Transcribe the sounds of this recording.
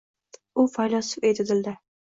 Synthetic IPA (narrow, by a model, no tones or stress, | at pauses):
ʊfajlɒsɪpet̪ʰɪd̪ɪld̪ɪ